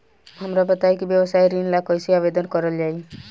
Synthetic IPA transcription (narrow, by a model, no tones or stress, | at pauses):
ɦamɾapɔt̪ajkibjɔbɔsajɾinlakɔjsiabed̪ɔnkɔɾɔld͡ʒaj